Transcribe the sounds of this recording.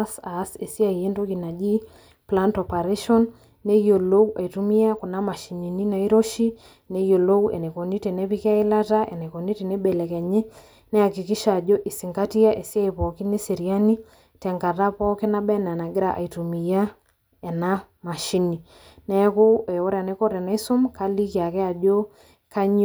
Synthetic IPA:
sa˨se˨si˦a˦˨i˨e˦ndo˦ki˨na˨ʄi˦ | pla˦ntɔ˨pa˨ɾe˦ʃɔ˦nː | e˦jo˨lo˦wʔa˨i˨tu˦mi˦ja˦ku˨na˦ma˨ʃi˨ni˨ni˦na˨i˦ɾo˦ʃi˦ | ne˦jo˨lo˦wḛ˨nɛ˨ko˨ni˦te˨nɛ˦pi˦ka˦i˦la˦ta˦ʔḛ˨ne˨ko˨ni˦te˨ne˦bɛ˨lɛ˨kɛ˨ɲɛ˦ | nɛ˦a˨ki˨ki˦ʃa˨d͡ʒo˦ʔi˨si˨ŋɡa˦ti˦a˦ʔe˨si˦a˦i˨pɔ˨ki˦ne˦se˨ɾi˨a˦ni˦ | tɛ˨ŋka˨ta˦pɔ˦ki˦na˦bɛ˦n˨a˨na˨ɡɪ˦ɾa˨ʔa̰˨i˨tu˨mi˨ja˦ | ɛ˨na˦ | ma˨ʃi˦ni˨ | nɛ˦ko˦ɛ˨o˦ɾa˨nɛ˦kɔ˦ɾɛ˨na˦i˦su˦mka˦li˦ki˨a˨kɛ˦a˨ʄo˦ | ka˦ɲ

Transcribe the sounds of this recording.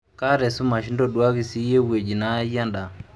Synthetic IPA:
ka˦ɾɛ˨su˦ma˨ʃi˦ndo˦dwa˦ki˨si˦je˦we˨d͡ʒi˨na˦ja˦nda˨

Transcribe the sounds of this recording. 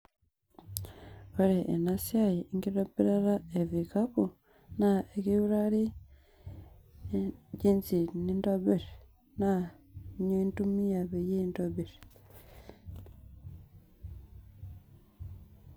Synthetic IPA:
o˦ɾe˨ʔe˨na˦sjajiŋɡi˦ɾo˦be˦ɾa˦ɾa˦eβika˦pu | nae˨kiβu˦ɾaɾi˦ | ɟi˦nt͡si˨ni˦ndo˦βe˦ɾe | na˦ɲentu˦mi˦ja˨βe˨je˦ndo˦βe˨ɾe

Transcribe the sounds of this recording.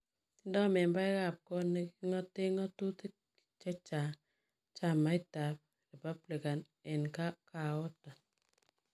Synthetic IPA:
dɔ˦mɛ˨mba˦ɪ˦ka˨p̚kɔ˦nɪ˦kŋɔ˦tɪ˦ŋɔ˦tu˦ti˦ | t͡ʃa˦t͡ʃa˨ | t͡ʃa˦ma˨˦ɪ˦ta˨p̚ | rɛ˨pa˦bli˨ka˨n | ɛ˨nka˦ka˨ɔ˦ta˨

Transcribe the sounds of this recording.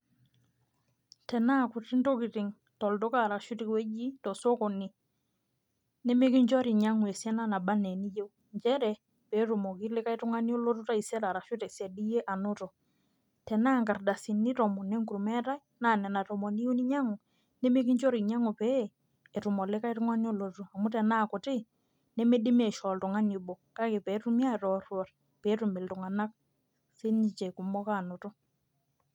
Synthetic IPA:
tɛ˨na˦ku˨ti˦ndo˦ki˨ti˨ŋ | tɔ˨ldo˦ka˦˨ɾa˨ʃu˦ti˨kwe˦d͡ʒi˦tɔ˨so˦ko˨ni˨ | ne˦me˦ki˦ɲd͡ʒɔ˦ɾi˨ɲa˦ŋwe˨sjɛ˦na˦na˨ba˦nɛ˨ni˦je˦u˦ɲd͡ʒɛ˦ɾɛ˨ | pɛː˨˦tu˨mɔ˨ki˦lɪ˦ka˦i˦tʊ˦ŋa˦ni˦o˦lo˦tu˦ta˦i˨sɛ˦la˨ɾa˨ʃu˦tɛ˨sjɛ˨di˦je˦ʔa˨no˦to˨ | tɛ˨na˦˨ŋka˨rda˨si˨ni˦tɔ˨mɔ˨ne˦ŋɡu˨ɾu˨mɛ˦ta˦i˦na˦˨nɛ˨na˨tɔ˨mɔ˨ni˦u˦ni˦ɲa˦ŋɔ˨ | ne˦me˦k̬i˦ɲt͡ʃɔ˦ɾi˨ɲa˦ŋɔ˨pɛ˦˨ | e˨tu˨mɔ˨lɪ˦ka˦jtu˦ŋwa˦ni˦o˦lo˨tu˨a˨mu˦tɛ˨na˦˨kɔ˨ti˦ | ne˦me˦di˦me˨ʃɔ˨ltʊ˨ŋa˦ni˨bɔ˨kka˦kɪ˨pɛ˨˦tu˦mi˦a˦˨tɔ˨rɔ˨r | pe˨˦tu˨mɪ˨ltʊ˨ŋa˨na˦k̚ | se˦ni˦˨t͡ʃe˨ku˨mɔ˦ka˦˨no˨to˦

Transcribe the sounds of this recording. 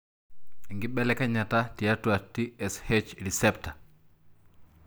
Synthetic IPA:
ŋɡɪ˦ɓɛ˦lɛ˦ka˦ɲa˨ta˦ti˨atuati˦ɛshet͡ʃɾisɛpta˨

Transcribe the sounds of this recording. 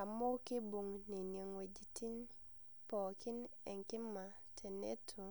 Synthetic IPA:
a˨mo˦kɪ˦bu˨ŋne˨njə˨ŋwe˨d͡ʒi˨tʰi˦ɲ | pɔ˨kʰɪ˦n | ɛ˨ŋkɪ˦ma˨ | tʰe˨nḛ˦tʰu˨

